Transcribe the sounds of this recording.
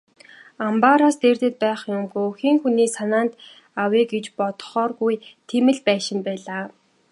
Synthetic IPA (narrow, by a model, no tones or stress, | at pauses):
ampaɾaːst̪ert̪ɘ̆t̪̚pæːχjʊmɡujɵxiːŋxuniːsanaːnt̪ | awiːɡet͡ɕpɔt̪̆χɔːrɣujt̪ʰemɘ̆ɮpæːʃɪ̆mpæːɮaː